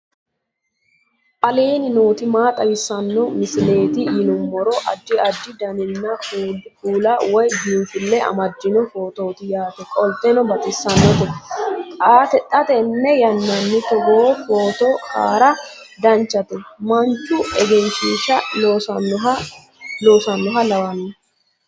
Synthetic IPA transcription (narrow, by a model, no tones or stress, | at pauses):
ʔʼɐleːnɪnoːt̪ɪmaːt̪ʼɐwɪsɐnːɔmɪsɪle̞ːt̪ɪjɪnʊmːɔɾɔʔɐ̰d͡ʒːɪɐd͡ʒːɪd̪ɐnɪnːɐkuːlɐwɔjbiːnfɪlːɛɐ̰mɐd͡ʒːɪnɔfo̞ːt̪o̞ːt̪ɪjaːt̪ɛkʼɔlt̪ːɛnɔbɐt̪ʼɪsːɐnːɔt̪ɛkʼaːt̪ɛt̪ʼːɐt̪ɛnːɛjɐnːɐnːɪt̪ɔɡoːfoːt̪oka̰ːɾɐ | d̪ɐnt͡ʃːɐt̪ɛmɐnt͡ʃʼːʊɛɡɛnt͡ʃiʃɐoːsɔɦɐ | loːsɐnːɔɦɐlɐwɐnː